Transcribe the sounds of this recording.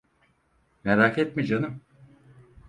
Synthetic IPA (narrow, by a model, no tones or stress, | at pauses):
meɾaːkʰet̪mid͡ʒanɯm